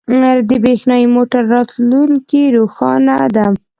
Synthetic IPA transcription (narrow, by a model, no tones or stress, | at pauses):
d̪əbexnɑimoʈaɾːɑt̪luŋkiɾoxɑ̰nad̪am